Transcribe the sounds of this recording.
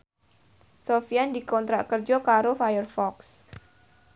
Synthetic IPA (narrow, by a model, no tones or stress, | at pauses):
sofiandikɔnt̪ɾaʔkərd͡ʒɔkaɾofajərfɔks